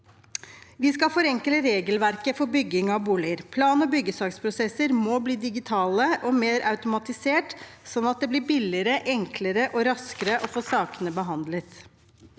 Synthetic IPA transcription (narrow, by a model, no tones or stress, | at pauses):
ʋɪskɑlfɔɾɛŋkələɾeːɡəlʋæɾkəfɔɾbʏɡɪŋɑʋbuːlɪəɾpʰlɑːnɔbʏɡːəsɑːkspʰɾʊsɛsəɾmɔbliːd̪ɪɡɪt̪ʰɑːləʔɔmeːɾʔɑʉt̪ʊmɑt̪ɪseːʈsɔnːɑt̪̚d̪ɛblɪɾbɪlɪɾəʔɛŋkləɾəʔɔɾɑskəɾəʔɔfoːsɑːkənəbəɦɑnd̪lət̪